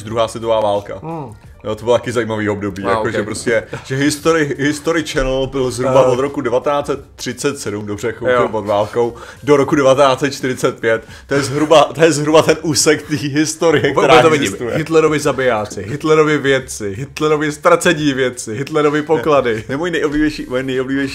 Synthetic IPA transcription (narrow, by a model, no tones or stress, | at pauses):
ʒd̪ɾuɦaːsʋɪt̪ovaːvaːlka̰ | jot̪obɪlat̪ḁkɪzajiːmaviːo̞bdo̞biːjaoʒɛpɾoscɛʒ̥ɛɦɪst̪oɾɪɦɪst̪o̞ɾɪt͡ʃɛnl̩bɪlzɦɾubaʔod̪ɾokudɛvat̪ɛnaːt͡sɛt̪ːr̥ɪtt͡sɛt̪sɛdumdobrɛxoɪpodvaːlko̞w | doɾokudɛvat̪ɛnaːt͡sɛt̪̚t͡ʃt̪ɪɾɪt͡sɛt̪̚pjɛt̪ːojɛzɦɾubat̪ojɛzɦɾubat̪ɛnʔuːsɛkt̪iːɦɪst̪oɾɪjɛk̪ɛɾaɛt̪ovɪt̪ujɛɦɪt̪lɛɾovɪzabɪjaːt͡sɪɦɪt̪lɛɾovjɪvjɛt̪t͡sɪɦɪt̪lɛɾovjɪst̪ɾat͡sɛɲiːvjɛt̪t͡sɪɦɪt̪lɛɾovɪpokladɪnɛmojinɛjʔoblivjɛjʃimojinɛjʔoblivjɛjʃi